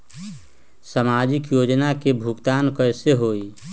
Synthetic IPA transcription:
səmad͡ʒɪkjoːd͡ʒnakebʱukt̪aːnkəseɦoːi

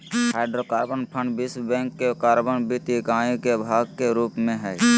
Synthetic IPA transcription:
haːɪɖɾokaːɾbənpʰə̃ɳɖbɪsbɛ̃ːŋkːekaːɾbənbit̪ikãːjõkebʱaːɡkeɾuːpmẽɦɛː

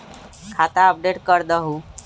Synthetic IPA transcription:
kʰat̪aəp̚ɖeʈkəɾd̪əɦu

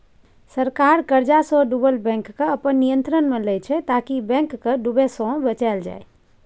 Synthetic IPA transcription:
səɾkaɾkəɾd͡ʒasɔ̃ɖubəlbɛ̃ŋkːeəpənːijənt̪ɾənmeləjt͡ʃʰɛt̪akibɛ̃ŋkːəɖubesɔ̃bət͡ʃald͡ʒa̰j

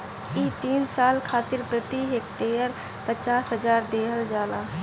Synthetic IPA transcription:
iːt̪iːnsaːlkʰaːt̪ɪɾpɾət̪iɦek̚t̪eəɾ | pət͡ʃaːsɦəzaːɾd̪eːɦəld͡ʒaːlaː

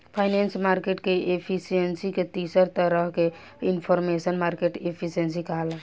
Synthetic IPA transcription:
pʰaɪnensmaɾkeʈkeʔepʰisijensiket̪isəɾt̪əɾəɦke | inpʰɔɾmesənmaɾkeʈepʰisiens̬ikaɦlã

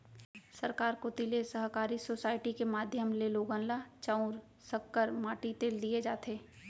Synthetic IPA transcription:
sɐɾkaːɾkot̪ilesəɦkaːɾisoːsaːɪʈikemaːd̪ʱjəmleloːɡə̃nlat͡ʃãʊɾ | səkːəɾmaːʈit̪eːld̪ied͡ʒaːt̪eː

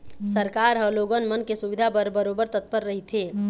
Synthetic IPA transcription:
səɾkaɾɦə̃loɡənmənkesubid̪ʱabəɾbəɾobəɾt̪ət̪̚pəɾːəɦit̪ʰe

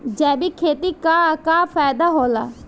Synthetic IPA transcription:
d͡ʒɛ̃ːbiːkʰeːt̪iːkaːkaːpʰaːd̪aːɦoːlaː

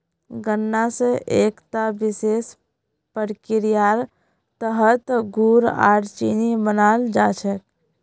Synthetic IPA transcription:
ɡənːasəʔekt̪abises | pəɾkiɾijaɾ | t̪əɦət̪ɡuɾa̰ɾt͡ʃinibənald͡ʒat͡ʃʰək̪

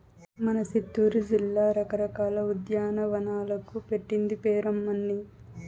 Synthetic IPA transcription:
mɐnɐsit̪ːuːɾud͡ʒilːaːɾɐkɐɾɐkaːlɐud̪jaːnɐʋɐnaːlɐkupeʈːind̪ipeːɾɐmːɐnːi

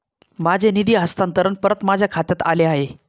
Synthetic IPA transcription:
mad͡ʑʱenid̪iːɦəst̪ãnt̪əɾənpəɾət̪mad͡ʑʱjakʰat̪jat̪aleaɦe

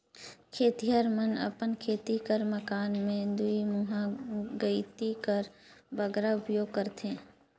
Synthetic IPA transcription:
kʰeːt̪iɦəɾmənə̰pənkʰeːt̪ikəɾməkaːnmẽd̪uimuɦãɡəɪt̪ikəɾbəɡɾaʊpjoːɡ̚kəɾt̪ʰẽː

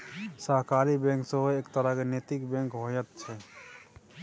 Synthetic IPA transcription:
səɦkaɾibɛ̃ŋksəɦoeːkt̪əɾakenet̪ikbɛ̃ŋkɦojət̪̚t͡ʃʰɛ

